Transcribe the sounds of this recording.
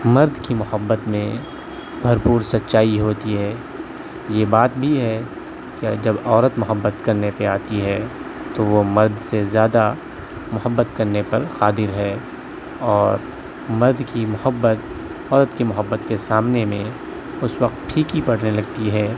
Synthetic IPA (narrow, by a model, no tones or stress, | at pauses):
mɐɾd̪kimʊhəbːət̪mẽ | bʱɐɾpuːɾsɐtːʃaːiɦoːt̪iɦɛː | jebaːt̪̚bʱiɦɛ | kɪd͡ʒɐbɔːɾət̪mʊɦəbːət̪kɐɾnepeaːt̪iɦɛ | t̪oʋomɐɾd̪ʱsezjaːd̪a | mʊɦəbːət̪kɐɾnepɐɾqaːd̪ɪɾɦɛː | ɔːɾ | mɐɾd̪kimʊhəbːət̪̚ | ɔːɾət̪kimʊɦəbːət̪kesaːmnemẽ | ʊswɐqt̪̚ʈʰiːkipɐɽ̤nelɐɡ̚t̪iɦɛː